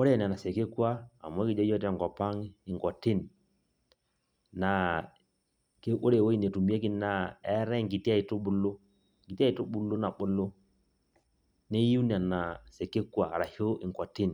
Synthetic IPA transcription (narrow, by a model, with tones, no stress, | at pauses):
o˦ɾe˦˨n˨na˨sɛ˨ke˦kwa˦a̰˨m˨˦ɔ˦ki˨d͡ʒɔ˦jɔ˦t̬ɛ˨ŋɡɔ˨pa˦ŋ˦i˨ŋkɔ˨tɪ˦n˨ | na˨ | ke˦ʔo˦ɾe˨wo˦i˨ne˨tu˨mi˦e˦k̬i˦na˦ɛ˦ɾɛ˦ŋɡi˨ti˦a˦˨i˨to˦ɓu˨˦lo˦˨ | ŋɡi˨ti˦a˦i˨to˦ɓu˨lo˦na˨ɓo˦lo˦ | ne˦ju˦n˨a˨na˨se˨ke˦kwa˨ɾa˨ho˦i˨ŋkɔ˨tɪ˦n˨